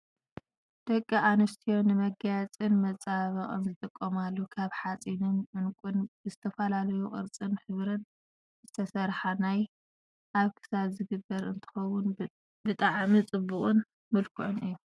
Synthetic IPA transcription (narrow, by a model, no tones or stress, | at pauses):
d̪̥ɐkʼːiʔanɐst̪ʰijo̞nɨmɐɡat͡sʼinmɐt͡sʼaβɐχʼɨ̰nzɨt̪ʼɨkʼːɐmalːokʰaβħat͡sʼinɨnʔɨnkʼunbɨzɨt̪ʰɐfɐlalɐjuχʼɨ̰ɾt͡sʼɨnħɨβɾɨn | z̥ɨt̪ʰɐsɐɾħanaj | ʔaβkʰɨ̥saβzɨɡɨbːɐɾɨnt̪ʰɨ̥xɐwːʊn | bɨt̪ʼaʕmit͡sʼɨbukʼɨn | mɨlkʰɨʕunɨjːu